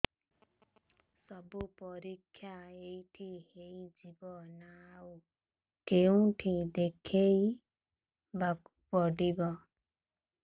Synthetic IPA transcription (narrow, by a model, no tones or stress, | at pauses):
sɔbupɔɾikʰːjaejʈʰihejd͡ʒibɔnau | keũʈʰid̪ekʰej | bak | pɔɖibɔ